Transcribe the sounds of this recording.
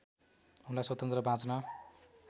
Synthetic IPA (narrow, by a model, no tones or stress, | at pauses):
ɦunlaswʌt̪ʌnt̪rʌbʱãt͡snʌ